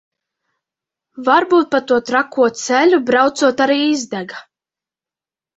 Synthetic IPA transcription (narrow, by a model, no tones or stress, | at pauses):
vaɾbuːt̪̚pat̪uɔt̪ɾakːuɔt̪selʲubɾawt̪suɔt̪aɾiːizd̪ɛɡa